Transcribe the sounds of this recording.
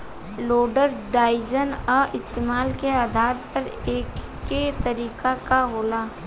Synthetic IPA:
loːɖəɾɖaːɪd͡ʒənɔːʔɪst̪eːmaːlkeaːd̪ʱaːɾpɐɾeːkː | et̪ɐɾiːkakaɦoːlaː

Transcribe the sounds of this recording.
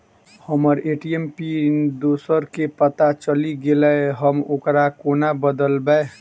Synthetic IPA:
həməɾeʈiempid̪oːsəɾkepət̪at͡ʃəliɡeləɦəmokɾakonabəd̪əlbəe

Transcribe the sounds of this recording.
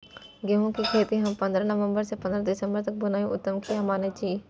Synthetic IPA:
ɡeɦõkikʰeːt̪iɦɐ̃mpɐ̃nd̪ɾanɐʋə̃mbəɾsepɐ̃nd̪ɾãd̪ɪsə̃mbəɾt̪ɐk̚bʊnaːjõʔʊt̪ːəmkʰijamaːned͡ʒiː

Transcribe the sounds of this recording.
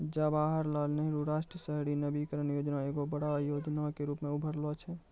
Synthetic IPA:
d͡ʒabaːɦəɾlalneɾuɾaʃʈɾəsəɦɽinəbikəɾənjoːd͡ʒnaeːɡobəɽajod͡ʒnakeɾuːpmẽubʱəɾlɔt͡ʃʰɛ

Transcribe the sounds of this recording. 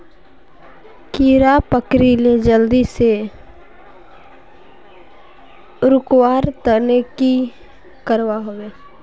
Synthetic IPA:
kiːɾapəkɾiled͡ʒəld̪ise | ʊɾʊkwaːɾt̪əneki | kəɾwaɦoweː

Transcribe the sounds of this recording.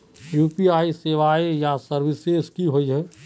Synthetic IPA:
juːpiaːiseːʋaːejasəɾʋɪseskiɦoiɦɛ

